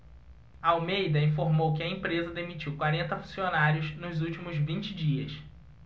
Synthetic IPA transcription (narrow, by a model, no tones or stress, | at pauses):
ɐawmejd̪ɐĩfoɾmowkɪɐẽpɾezɐd̪emit͡ʃiwkwaɾẽnt̪ɐfũsionaɾjʊznʊzuwt͡ʃimʊzvĩnt͡ʃɪd͡ʒiɐs